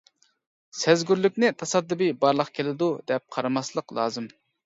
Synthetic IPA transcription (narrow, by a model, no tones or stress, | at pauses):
sɛzɡʲyɾlyk̚ʲnɪt̪ʰɑsɑd̪ːɨbɨbɑɾlˠəqkʲʰelɪd̪ud̪ɛp̚qʰɑɾɑmɑslˠəqlˠɑ̰ːzɨm